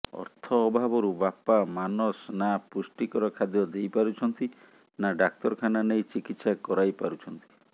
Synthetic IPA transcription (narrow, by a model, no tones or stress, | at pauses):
ɔ̰ɾt̪ʰɔːbʱabɔɾubapamanɔsnapusʈikɔɾɔkʰad̪jɔd̪ejpaɾut͡ʃʰɔnt̪i | naɖak̚t̪ɔɾɔkʰananejt͡ʃikit̪sakɔɾajpaɾut͡ʃʰɔnt̪i̥